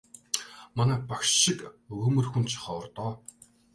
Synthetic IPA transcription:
manæːpakʃɪkɵmɵ̆rxunt̪t͡ɕʰɪ̥χɔːɔrt̪ɔː

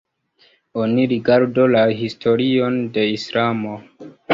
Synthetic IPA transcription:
o̞niɾiɡaɾdo̞laɦistʰo̞ɾio̞nde̞islamo̞

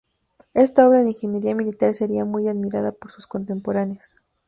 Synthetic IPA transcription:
e̞st̪ao̞βɾaðiŋxenjeɾiamilit̪aɾse̞ɾiamujaðmiɾaðapo̞ɾsusko̞nt̪e̞mpo̞ɾaneos

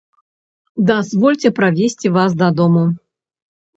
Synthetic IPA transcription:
d̪azvɔlʲt͡sʲɛpɾavʲesʲt͡sʲivas̬d̪ɐd̪ɔmu

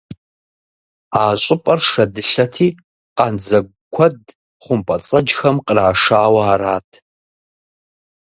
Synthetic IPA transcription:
aːɕʼɪpʼɐrʂɐdɨɬɐtʰiː | qʼɐnd͡zɐ | kʷʰɐd | χʷʊmpʼɐt͡sʼɐd͡ʒxɐmqəraːʂaːwɐaːɾaːtʰ

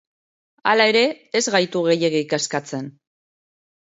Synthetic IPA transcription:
a̰lae̞ɾe̞ː | zɣajt̪uɣe̞je̞ɣeikaskat͡se̞n

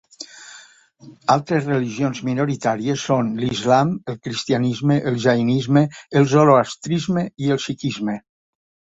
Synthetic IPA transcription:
alˠt̪ɾezreliʒionzminoɾit̪aɾiesːonlizlaməlˠkɾist̪ianizmeʔəlˠʒainizmeːlˠzoloast̪ɾizmeiəlˠsikizme

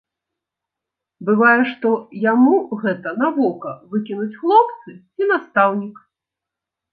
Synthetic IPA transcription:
bɨvajɛʂt̪ɔjamuɣɛt̪ɐnavɔkɐvɨkʲinut͡sʲxlˠɔpt̪sɨt͡sʲinast̪awnʲik

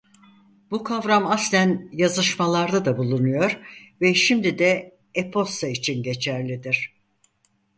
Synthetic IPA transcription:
bukʰavɾamaslʲænjazɯʃmalˠaɾd̪ad̪abulˠunujo̞ɾvɛʃimd̪id̪ɛ | epʰo̞st̪ait͡ʃʰinɟe̞t͡ʃʰæɾlʲid̪iɾ̥

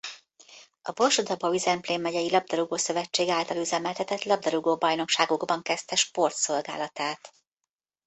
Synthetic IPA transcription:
ɒbo̞lʃod̪ɒbɒyzɛmpleːmːɛɟɛjilɒb̚d̪ɒɾuɡoːsøvɛt͡ʃːeːɡaːlt̪ɒlyzɛmɛlt̪ɛt̪ɛt̪lɒb̚d̪ɒɾuɡoːbɒjno̞kʃaːɡoɡbɒŋkɛst̪ɛʃpo̞rt̪so̞lɡa̰ːlɒt̪aːt̪

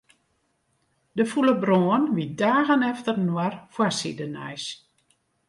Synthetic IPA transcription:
dəfuləbroənʋidaːɣənɛftərnwarfwasḭdənɛ̰js

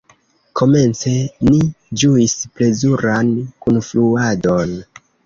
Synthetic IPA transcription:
ko̞me̞nt͡se̞ni | d͡ʒuisple̞zuɾankunfluado̞n

